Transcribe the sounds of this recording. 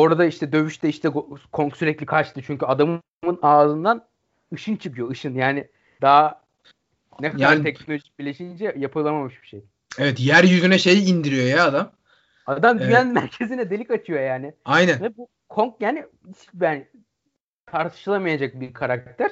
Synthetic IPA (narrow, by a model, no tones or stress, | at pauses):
o̞ɾad̪aiʃt̪ʰɛd̪ø̞βyʃt̪ʰɛiʃt̪ɛɡokʰo̞ŋksyɾɛclʲikʰat͡ʃt̪ʰɯt͡ʃʰyɲcyad̪am | mɯnaːzɯnd̪an | ɯʃɯnt͡ʃʰɯkɯjo̞ɯʃɯnjaːnɪ | d̪aɦa | nɛkʰad̪aɾt̪ʰɛcnolʲoʒic̚biɾlʲeʃind͡ʒɛjapʰɯlˠamamɯʃbi̥ʃej | evɛt̪jæɾjyzynɛʃe̞jind̪iɾijo̞jaːd̪am | ad̪amd̪yjænmæɾcʰe̞zinɛd̪e̞lʲikat͡ʃʰɯjo̞jaːnɪajnænvɛbu | kʰoŋk̚jaːnɪ | it͡ʃbæːn | t̪ʰaɾt̪ʰɯ̥ʃɯlˠamajad͡ʒak̚biɾkʰaɾakk̚t̪ʰæɾ̥